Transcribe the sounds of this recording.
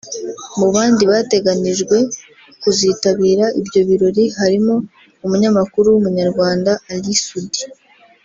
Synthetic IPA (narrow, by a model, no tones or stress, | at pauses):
muβaːndiβate̞ɡaniʒɡwe̞ | kuziːtaβiːɾaʔibɟo̞βiɾoɾiɦaɾimo̞ | umuɲamakuɾuwumuɲaɾɡwaːndaːlisudi̥